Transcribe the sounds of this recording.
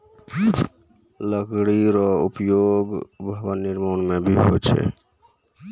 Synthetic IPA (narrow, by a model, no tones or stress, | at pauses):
ləkɽiɾɔupjoɡbʱəbəniɾmonmebʱiɦo̰t͡ʃʰɛ̰